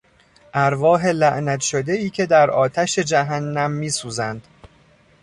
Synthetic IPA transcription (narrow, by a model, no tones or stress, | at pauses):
ʔæɾvɒːɦe̞læʔnæt̪ʃod̪e̞iːcʰe̞d̪æɾɒːt̪ʰæʃe̞d͡ʒæɦænːæmːiːsuːzænd̪̥